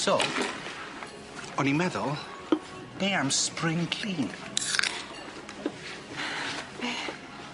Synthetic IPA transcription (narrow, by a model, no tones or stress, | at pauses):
soː | ɔnimɛðʊlˠ | b̥eːamsprɪŋkʰl̥iːn